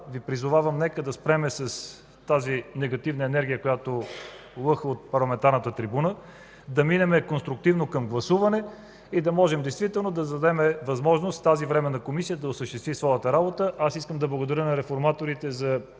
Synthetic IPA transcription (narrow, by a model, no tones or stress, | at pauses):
vipɾizʊvavəmnɛkəd̪ɐspɾɛmɛsɐs | t̪azinɛɡɐt̪ivnəɛnɛɾɡʲijəkojat̪olˠɤxot̪̚pɐɾlˠɐmɛnt̪aɾnət̪ət̪ɾibunə | d̪ɐminɛmɛkonst̪ɾʊk̚t̪ivnokɐmɡlˠɐsuvɐnɛ | id̪ɐmɔʒɛmd̪ɛjst̪vit̪ɛlˠnod̪ɐd̪ɐd̪ɛmɛvɐzmɔʒnost̪t̪azivɾɛmɛnɐkomisiəd̪ɐosəʃt̪ɛst̪visvɔjət̪əɾabot̪əʔasiskəmd̪ɐblˠɐɡod̪ɐɾʲənɐɾɛfoɾmat̪oɾit̪ɛzɐ